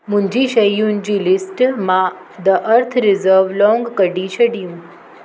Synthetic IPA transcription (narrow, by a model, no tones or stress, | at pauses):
mũɲd͡ʑiʃəjũnd͡ʑilɪsʈmã | d̪əʔəɾt̪ʰɾɪzəɾʋlɔ̃ŋɡkəɖit͡ʃʰəɽijũ